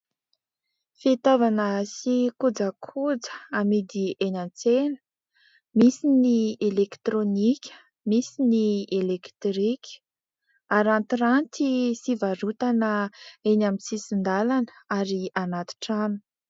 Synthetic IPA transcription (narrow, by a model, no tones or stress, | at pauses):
fet̪avanəsikud͡zakʰud͡zə̥amid̪ienʲant͡senə̥ | misinielekt̪ɾonikʲə̥ | misinielekt̪ɾikʲʰə̥ | aɾant̪ɾant̪isivaɾut̪anəenamisisind̪alanə̥aɾianat̪i̥ʈ͡ʂanu̥